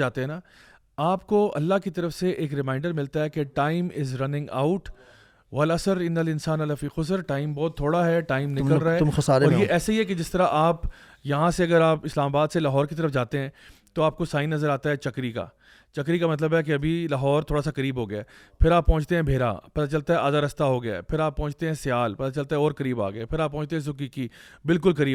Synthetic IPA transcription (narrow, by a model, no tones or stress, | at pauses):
aːt̪eɦɛ̃na | aːpkoɐ̰lːaɦkit̪ɐɾəfseʔeːkɾɪmãːɪɳɖəɾmɪlt̪aɦɛkeʈaːɪmɪzɾɐnɪ̃ŋɡa̰ʊʈ | ʋɐlɐsəɾɪnːɐlɪnsaːnɐlɐfiːxʊsɾʈaːɪmbɔːt̪ʰːoːɽaɦɛʈaːɪmnɪkəlɾaɛxɐsaːɾɔːɾjeʔɛːsaiɦɛked͡ʒɪst̪əɾaʔaːp | jɐɦãseɐɡəɾaːpɪslaːmabaːd̪selaɦɔːɾkit̪̬ɐɾəfd͡ʒaːt̪eɦɛ̃ːt̪oaːp̚kosaːɪinːɐzəɾaːt̪aɦɛt͡ʃɐkɾika̰ː | t͡ʃɐk̬ɾikamɐt̪̬ləbɦɛk̬eɐbʱilaɦɔːɾt̪ʰoːɽasakɐɾiːbɦoːɡɐjaː | pʰɪɾaːpːɔ̃ːt͡ʃt̪eɦɛ̃bʱeːɾa̰pɐt̪at͡ʃɐlt̪aɦɛaːd̪aɾɐst̪aɦoɡɐja̰pʰɪɾaːpːɔ̃ːt͡ʃt̪eɦɛ̃sɪjaːlpɐt̪at͡ʃɐlt̪aɦɛɔːɾkɐɾiːba̰ːɡjapʰɪɾaːpːɔ̃ːt͡ʃt̪eɦɛ̃s̬ʊkikibɪlkʊlkɐɾiː